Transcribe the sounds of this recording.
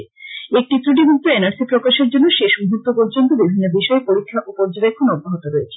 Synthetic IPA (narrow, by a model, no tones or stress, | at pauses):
ek̚ʈit̪ɾuʈ̬ibuk̚t̪oenaɾsipɾokaʃeɾd͡ʑonːoʃeʃuɦut̪ːop̬oɾd͡ʑont̪obibʱinːobiʃɔepoɾikʰːaʔopoɾd͡ʑobekʰːonoboɦot̪oɾoet͡ɕʰe̥